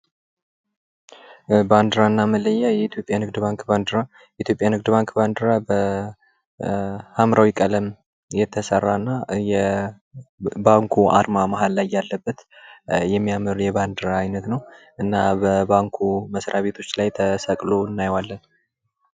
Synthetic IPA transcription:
band̪ɨɾanːamələjːajɛit̪jo̞pʼjanɨɡd̪baŋkband̪ɾa | jɛʔit̪jo̞pʼjanɨɡ̚d̪ɨbaŋkband̪ɨɾabə | hamɾʔawikʼələm | jɛt̪ʰːəsərːanːajɛ | baŋkʰua̰ɾmamaɦalːajːalːəbːət̪jɛmːijamɨɾjɛβand̪ɨɾaːjnət̪nəw | ʔɨnːabəbaŋkʰuməsɾʔaβe̞t̪ʰo̞t͡ʃːlajt̪ʰəsəkʼloɨnːajwalːən

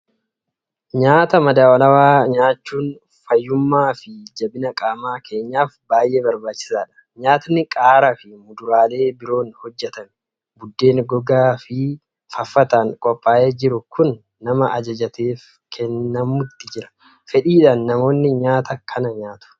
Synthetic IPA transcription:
ɲaːt̪ɐmɐd̪aːwɐlɐwaːɲaːt͡ʃːuːn | fɐjːʊmːaːfɪd͡ʒɐbɪnɐkʼaːmaːkʰe̞ːɲːaːfbaːjʔe̞ːbɐɾbaːt͡ʃːɪ̥saːᶑɐ̥ | ɲaːt̪ɐnːɪkʼaːɾɐfɪmʊd̪ʊɾaːle̞ːbɪɾo̞ːnhɔd͡ʒːɛt̪ɐn | bʊd̪ːe̞ːnɡɔɡaːfɪ | fɐfːɐt̪ɐŋkʼɔpʼːaːʔeːd͡ʒɪɾʊkʊnː | ɐmɐʔɐd͡ʒɐd͡ʒɐt̪ʰeːf | kʰɛnːɐmʊt̪ːɪd͡ʒɪɾɐ̥ | fɛᶑiːᶑanːɐmo̞ːnːɪɲaːt̪ɐkʰɐnɐɲaːt̪ʊ̥

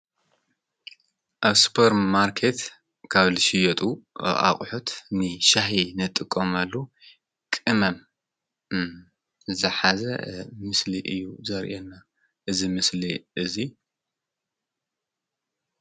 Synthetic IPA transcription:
ʔaβsu̥pʰɐɾmaɾkʰet̪ | kʰaβlɨʃɪjɐt̪ʼuʔa̰qʼħot̪ʰnɨʃaɦinɨt̪ʼːɨkʼːɐmalːo | kʼɨmɐm | zɨzɐħazɐ̰mɨsliʔɨjːuzɐɾʔenːa | ʔɨzimɨsliʔɨzi

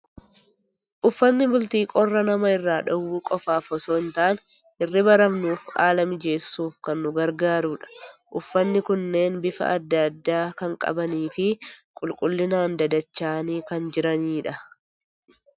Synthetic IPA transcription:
ʔʊfːɐnːɪbʊlt̪iːkʼɔrːɐnɐmɐɪrːaːᶑɐwːuːkʼɔfaːfɔsoːɪnt̪aːn | ʔɪrːɪbɐɾɐmnuːfa̰ːlɐmɪd͡ʒe̞ːsːuːfkɐnːʊɡɐɾɡaːɾuᶑɐ̥ʔʊfːɐnːɪkʊnːe̞ːnbɪfɐ̰ʔɐd̪ːɐd̪ːaːkɐŋkʼɐ̰bɐniːfɪkʼʊlkʼʊlːɪnaːnd̪ɐd̪ɐt͡ʃːaːniːkɐnd͡ʒɪɾɐniːᶑɐ

